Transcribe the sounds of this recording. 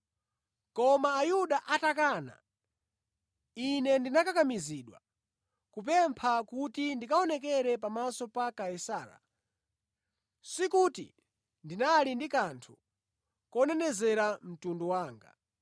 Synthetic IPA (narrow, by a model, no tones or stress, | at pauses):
kɔmaːjuɗaʔatakaːna̰ | inɛndinakakamiziɗwa̰ | kup̬ɛmpʰakutindikaɔnɛk̬ɛɾɛpamasɔpakaisaːɾa̰ | sikutḭ | ndinalindikantʰu | kɔnɛnɛzɛɾam̩tundɔwaːŋɡa̰